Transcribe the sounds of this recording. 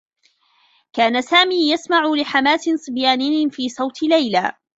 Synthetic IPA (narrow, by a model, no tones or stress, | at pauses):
kaːnasaːmiːjasmaʕʊlɪħamaːsɪsˤɨbjaːnɪjfiːsˤɑwt̪lajlaː